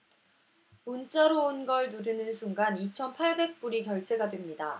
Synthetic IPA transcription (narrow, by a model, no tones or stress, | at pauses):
munt͡ɕ͈ʌɾoonɡʌɭnuɾɯnɯnsʰuŋɡanit͡ɕʰʌnpʰaɭbe̞k̚p͈uɾikjʌɭt͡ɕ͈e̞ɡadwemɲida